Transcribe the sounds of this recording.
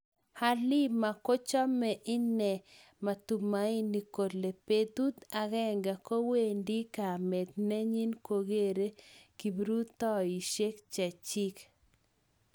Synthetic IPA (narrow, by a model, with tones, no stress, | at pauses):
ha˦lɪ˦ma˨ko˦t͡ʃɔ˦mɛ˨ʔɪ˦nɛ˨ | ma˨t̪u˨ma˨˦i˦ni˨ko˨dle˨pe˦d̪u˦t̪a˨ɣɛ˦ŋɡa˨ko˦we˦˨ndi˦ka˨me˨t̪ne˦ɲi˦nko˨ɡe˦˨ɾe˦ki˨bɾu˦t̪ɔ˦i˨ʃe˦kt͡ʃa˨t͡ʃi˦k